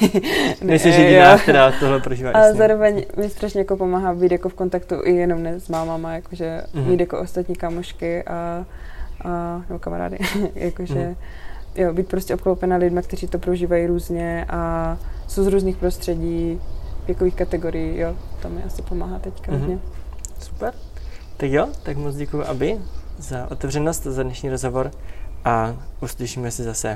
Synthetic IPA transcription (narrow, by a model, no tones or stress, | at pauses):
nɛmɪsimʒɛaɛdat̪oɦlɛpɾoʒiːvaalɛzaːɾovɛɲmɪst̪ɾaʃɲɛjako̞po̞maːɦabiːt̪jakofko̞nt̪akt̪uʔɪjɛno̞mnɛzmaːmamajakoʒɛmiːt̪jakoʔost̪at̪ɲiːkamoʃkɪʔa | ʔanɛbokamaɾa̰ːdɪ̰jakoʒɛ | jobiːt̪̚pɾoscɛʔopklowpɛnalɪdmakt̪ɛriːt̪opɾoʒiːvajiːɾuːzɲɛʔasowzɾuːzniːxpɾost̪r̥ɛɟiːvjɛkoviːxkat̪ɛɡo̞ɾɪjijot̪omɪʔasɪpomaːɦat̪ɛckaɦoɲɛsu̥pɛɾt̪akjot̪akmot͡sɟɛkujuʔabɪzaʔo̞t̪ɛvr̝ɛnost̪azadnɛʃɲiːɾozɦovoɾʔauslɪʃiːmɛsɪzasɛ